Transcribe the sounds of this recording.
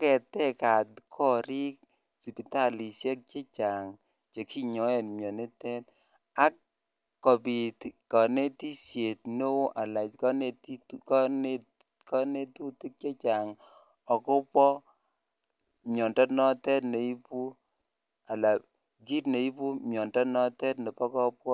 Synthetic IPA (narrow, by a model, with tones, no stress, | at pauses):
kɛ˨tɛ˦ka˨tkʰɔ˦ɾi˦k̚ | si˨pi˨ta˦˨li˨sjɛ˦k̚t͡ʃe˦t͡ʃa˨ŋ | t͡ʃe˨ki˦ɲɔ˨˦ɛ˨nmjɔ˨ne˦tɛ˦t | a˦kː | ɔ˨pi˨tkɔ˨ne˦ti˦sje˨tno˦ʔa˨la˨kɔ˦ne˦ti˦tkɔ˦ne˦ | kɔ˦ne˦tu˦tu˦k̚t͡ʃe˦t͡ʃa˨ŋ | ɔ˨kɔ˦pwɔ˦ | mjɔ˨ndɔ˦nɔ˦tɛ˦tne˨i˦pu˦ | a˨la˨ | ɡi˦tne˨i˦pu˦mjɔ˨ndɔ˦nɔ˦tɛ˦tnɛ˨pɔ˦kɔ˦pwɔ˦